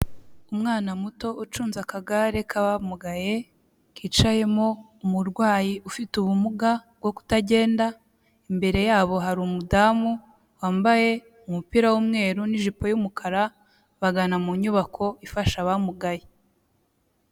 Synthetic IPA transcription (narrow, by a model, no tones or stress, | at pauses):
umŋaːnamuto̞ʔut͡ʃuːnzakaɡaɾe̞kʰaβamuɡaje̞ | kiːt͡ʃaje̞mo̞ | umuɾɡwaːjiʔufituβumuɡabɡo̞ku̥taɟe̞ːnda | imbe̞ɾe̞jaːβo̞ɦaɾumudaːmu | waːmbaje̞ | umupiɾawumŋe̞ːɾuniʒipo̞jumukʰaɾa | βaɡanamuɲuβakʰo̞ifaʃaβamuɡaje